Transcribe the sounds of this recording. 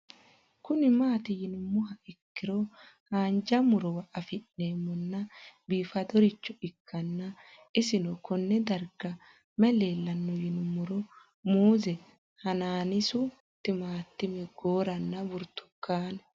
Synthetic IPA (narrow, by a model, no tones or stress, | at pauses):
kʊnɪmaːt̪ɪjɪnʊmːʊɦɐɪkːɪɾɔhaːnd͡ʒɐmʊɾɔwɐʔɐfɪnneːmːɔnːɐbiːfɐd̪ɔɾɪt͡ʃːɔɪkʰːɐnːɐ | ɪsɪnɔkɔnːɛd̪ɐɾɡɐ | mɛleːlːɐnːɔjɪnʊmːʊɾɔ | muːzɛ | hɐnaːnɪsʊ | t̪ːɪmaːt̪ːɪmɛɡoːɾɐnːɐbʊɾt̪ːʊ̥kːaːn